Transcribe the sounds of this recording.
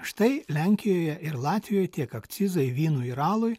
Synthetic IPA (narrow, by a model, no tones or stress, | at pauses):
ʃt̪ɐɪlʲɛŋʲkʲɪjoːjɛʔɪɾlˠɑːt̪ʲʋʲɪjoːjt̪ʲiɛkɐkt̪sʲɪzɐɪʋʲiːnuːiɾɑːlˠʊj